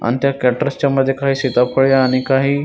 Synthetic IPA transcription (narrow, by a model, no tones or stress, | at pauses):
a̰nt̪ʰjakɛʈəɾst͡ɕaməd̪ʱːjekaɦiːsit̪apʰəɭjaːɽ̃ikaɦiː